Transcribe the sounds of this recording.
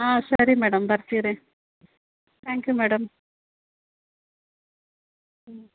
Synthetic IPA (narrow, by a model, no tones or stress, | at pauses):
aːɕɐɾimeːɽɐmbɐrt͡ɕːijɐðe | t̪ʰæːŋkjumeːɽɐm